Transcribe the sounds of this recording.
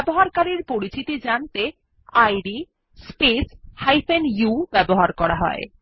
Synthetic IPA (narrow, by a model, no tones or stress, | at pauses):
boɦaɾkaɾiɾpoɾit͡ɕit̪id͡ʑant̪e | ajɖi | speshajfʰenjubɛboɦaɾkɔɾaɦɔ̰ḛ